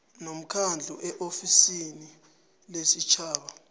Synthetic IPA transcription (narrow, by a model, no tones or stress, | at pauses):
nom̩kʰand͡ɮʱṵʔɛʔofisini | lesit͡ʃʰaːɓa